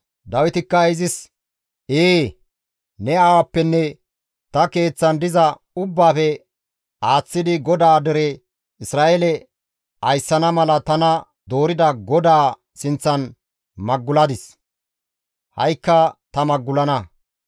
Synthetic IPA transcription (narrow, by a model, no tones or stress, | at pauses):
d̪ɐwɪt̪ɪkːɐɪzɪs | eː | nɛaːwɐpːɛnːɛ | t̪ɐke̞ːt͡sːɐnd̪ɪzɐ | ʊbːaːfɛ | aːt͡sːɪd̪ɪɡɔd̪aːd̪ɛɾɛ | ɪsɾaːʔelɛ | ʔɐjsːɐnɐmɐlɐt̪ɐnɐ | d̪o̞ːɾɪd̪ɐɡɔd̪aː | sɪnt͡sːɐn | mɐɡːʊlɐd̪ɪs | hɐ̰jkːɐt̪ɐmɐɡːʊlɐnɐ